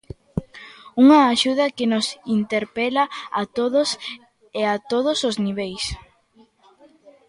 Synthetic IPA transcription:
uŋɐːʃuð̞ɐkɪnosint̪eɾpɛlaat̪oðʊs | eat̪oð̞ʊsozniβ̞ejs

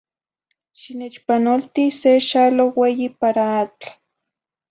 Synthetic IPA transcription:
ʃinet͡ʃpanolt̪iseʃaloweːjipaɾaat͡ɬ

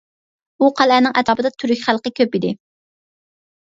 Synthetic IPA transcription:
uqʰælæːnɪŋʔɛt̪ʰɑːpɨd̪ɑt̪ʰyɾykʲχælˠqəkʲʰøpid̪ɪ

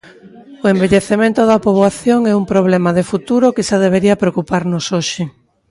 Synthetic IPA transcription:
oembeʎeθemẽnt̪ʊðɐpoβwaθjoŋɛumpɾoβ̞lɛmaðefut̪uɾokɪʃaðeβ̞eɾiɐpɾeokupaɾnosoʃɪ

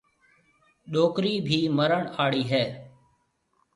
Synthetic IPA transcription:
ɗoːkɾiːbʱiːməɾəɳaːɭiːɦɛː

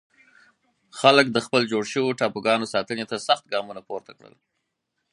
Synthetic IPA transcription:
xalək̚d̪əxpəld͡ʒoɽʃəwoʈɑpuɡɑnosɑt̪ənet̪asaxt̪̚ɡɑmunapoɾt̪akɽə̰l

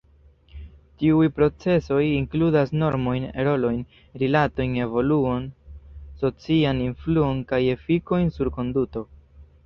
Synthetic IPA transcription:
tiujpɾo̞t͡se̞so̞jiŋkludasno̞ɾmo̞jnḛɾo̞lo̞jn | ɾilato̞jne̞vo̞luonso̞t͡sianinfluo̞nkaje̞fiko̞jnsuɾko̞nduto̞

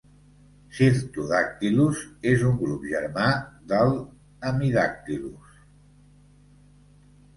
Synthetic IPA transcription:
siɾt̪uðak̚t̪iluzezuŋɡɾupʒəɾmaðəlˠ | əmiðak̚t̪ilṵs

